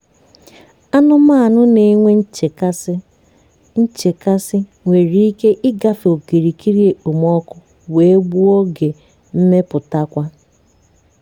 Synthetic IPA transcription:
a˦nʊ˦ma˦a˨nʊ˦ne˨˦ŋʷe˦˨˦ | n̩˦t͡ʃe˨ka˦sɪ˦ | ŋʷe˨ɾi˦i˦ke˦ʔɪ˦ɡa˦fo˨ki˨ɾi˨ki˦ɾi˦e˨u˨mɔ˦kʊ˦ | we˨e˦ɡ͡bu˦ɔ˦ɡe˨ | m̩˦me˦pʊ˨ta˦kʷa˦

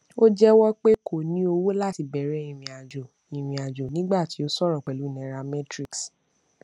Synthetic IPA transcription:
o˦d͡ʒɛ˦wɔ˦k͡pe˦kʰo˦˨nĩ˦o˧wo˦la˦˨ti˨˧bɛ˨ɾɛ˧˦ĩ˨ɾĩ˨a˨d͡ʒo˨ | ĩ˨ɾ̃ĩ˨a˨d͡ʒo˨nĩ˦ɡ͡ba˦˨ti˨˦o˦sɔ˦˨ɾɔ˨k͡pɛ˨lu˨˦nɛ̃˨˦ɾa˧mɛ̃˦tɾi˦ks

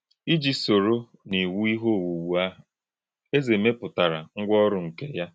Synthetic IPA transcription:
i˦d͡ʒi˦so˨ɾo˦ | ni˨wu˦i˦ɦo˦˨wu˨wu˨a˦ɦʊ˨ | e˦ze˨me˦pʊ˨ta˨ɾa̰˨ŋ̩˦ɡʷɔ˦ɾʊ˦ŋ̩˨ke˦ja˦

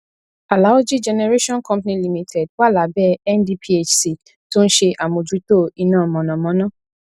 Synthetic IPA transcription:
a˨la˨˦wo˦d͡ʒi˦d͡ʒɛ˧nɛ˧ɾe˦ʃɔ̃˦nkɔ̃˦mpnĩ˧li˨mĩ˨tʰɛ˨d̚wa˦˨la˨˦bɛ˦ɛ˦ndi˧pʰi˦e˦t͡ʃsi˨ | to˦n̩˦ʃe˧ʔa˨mõ˨d͡ʒi˨˦to˦˨i˨˧nãː˦˨mɔ̃˨nɔ̃˨mɔ̃˨˦nãː˦˨

